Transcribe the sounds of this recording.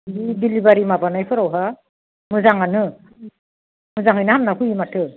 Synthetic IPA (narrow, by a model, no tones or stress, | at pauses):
ibilibaɾimabanajpʰɯɾawɦa | mɯzaŋanɯ | mɯzaŋɦɯjnahamnakuimatʰɯ